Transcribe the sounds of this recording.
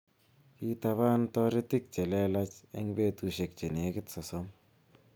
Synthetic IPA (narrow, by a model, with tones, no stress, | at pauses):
ki˦ta˧βa˦ntɔ˦ɾɪ˦tɪ˦k̚t͡ʃɛ˨lɛ˦la˦t͡ʃe˦ŋbe˦tu˨ʃe˨k̚t͡ʃe˨ne˨kɪ˦tsɔ˨sɔ˦m